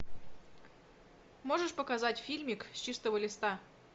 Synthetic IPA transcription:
moʐəʂpəkazatʲfʲilʲmʲiksʲt͡ɕist̪əvəlʲɪst̪a

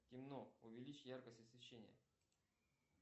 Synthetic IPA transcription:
tʲɪmnoʊvʲɪlʲit͡ɕjarkəsʲtʲɪsvʲɪɕːenʲɪ̰jə̰

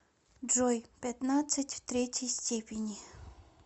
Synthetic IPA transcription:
ɖ͡ʐojpʲɛt̪nat͡sʰət͡ɕʲft̪ret͡ɕijst͡ɕepʲeɲi

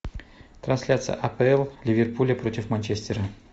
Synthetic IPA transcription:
t̪ɾɐnsʲlʲat̪sɨjə̰ʔɐpəɛlˠlʲɪvʲɪrpulʲəpɾo̞tʲɪfmɐnʲt͡ɕesʲt̪ʲɪɾə

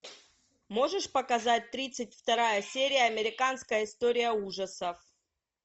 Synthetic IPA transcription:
mo̞ʐɨʂpəkɐzat̚ʲt̪ɾʲit̪sɨt̚ʲft̪ɐɾajəsʲeɾʲɪjəɐmʲɪɾʲɪkanskəjəɪst̪o̞ɾʲɪjəuʐəsəf

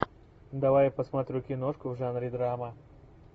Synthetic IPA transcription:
d̪ɐwajpɐsmat̪ɾʲukʲinoʂkʊvʐaːnɾid̪ɾaːma

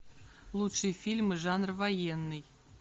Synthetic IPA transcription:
lˠut̪ʂɨjfʲilʲmɨʐɑnrvɐjenːɨj

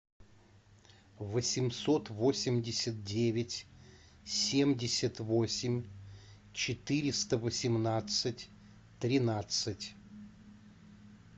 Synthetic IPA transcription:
vəsʲɪmso̞t̪vo̞sʲɪmʲdʲɪsʲət̪̚dʲevʲɪtʲ | sʲemdʲɪsʲət̪vo̞sʲɪmʲ | t͡ɕɪt̪ɨɾʲɪst̪əvəsʲɪmnat̪sɨtʲ | t̪ɾʲɪnat̪sɨtʲ

